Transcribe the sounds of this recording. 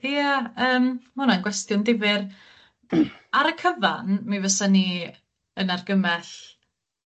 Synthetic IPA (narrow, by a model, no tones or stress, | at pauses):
jaəːmmʊnanɡwɛstjʊndɪvɪr | aɾəkʰəvanmivəsani | ənarɡəmɛɬ